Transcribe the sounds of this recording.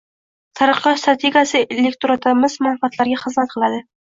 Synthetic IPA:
t̪ʰɑɾəqːɑst̪ɾat̪ʰeɡʲijasɪelʲekt̪oɾat̪ʰamɪzmanfat̪laɾɡʲaχɨzmat̪̚qʰɨlˠad̪ɪ

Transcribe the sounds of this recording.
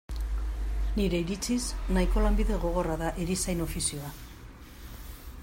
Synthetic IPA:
niɾe̞iɾit͡sisnajko̞lambiðe̞ɣo̞ɣ̞o̞raðaʔeɾisajno̞fisio̞a

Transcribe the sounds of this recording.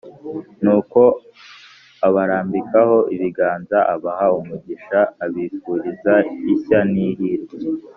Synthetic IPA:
nuːko̞ | aβaɾaːmbikaho̞ʔiβiɡaːnzaʔaβahaumuɟiʃaːβiːfuːɾizaisaniɾiːɾi

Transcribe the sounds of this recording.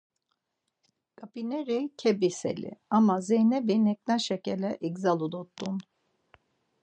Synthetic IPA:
kapinɛɾejcʰebisḛlʲḭamazehnɛbinɛk̚nʲaʃecelɛʔɛkzalˠud̪ot̪ːun

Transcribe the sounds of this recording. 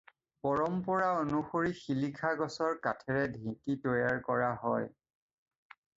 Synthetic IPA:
pɔɹɔmpɔɹaonuxoɹixilikʰaɡɔsɔɹkatʰɛɹɛdʱĩkitojaɹkɔɹaɦɔj

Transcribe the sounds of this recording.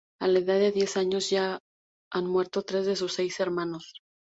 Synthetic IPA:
alae̞ðaðːe̞ðje̞saɲo̞zʝa | anmwe̞ɾt̪o̞t̪ɾe̞zðe̞s̬usːe̞jse̞ɾmãno̞s

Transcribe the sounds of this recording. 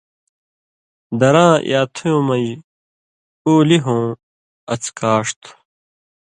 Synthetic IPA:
d̪ɐɾãːjaːt̪ʰujõːmɐi | oːliɦõː | ɐt͡skaːʂt̪ʰu̥

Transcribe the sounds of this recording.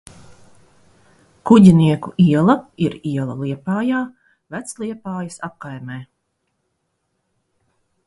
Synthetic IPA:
kuɟʲiniɛkuʔiɛlˠɐiɾiɛlˠɐ̰lˠiɛpaːjaː | væt̪slˠiɛpaːjɐsap̚kajmɛː

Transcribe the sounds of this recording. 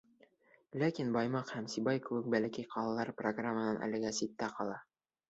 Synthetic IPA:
lækinbɑjmɑqhæmsibɑjkɘ̆wɘk̚bælækijqʰɑlˠɑlˠɑɾproɡramːənɑnʔæ̰lɘ̆ɡæsit̪ːæqɑlˠɑ

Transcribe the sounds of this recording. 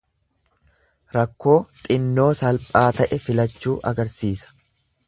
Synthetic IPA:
ɾɐkːo̞ːt̪ʼɪnːo̞ːsɐlpʼaːt̪ɐʔɛfɪlɐt͡ʃːuːʔɐɡɐɾsiːsɐ̥

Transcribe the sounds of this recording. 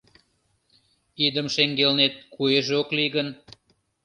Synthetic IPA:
id̪əmʃeŋɡelnet̪̚kueʒeokliɣən

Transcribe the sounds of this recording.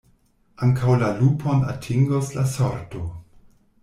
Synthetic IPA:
ʔaŋkʰawlalupʰona̰tʰiŋɡoslasoɾto

